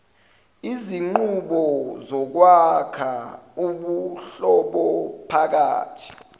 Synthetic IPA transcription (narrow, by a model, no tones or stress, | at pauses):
iziŋ͡ǃuɓɔzɔk̬wakʰauɓuɬɔɓɔpʰak̬a̰ːtʰi̥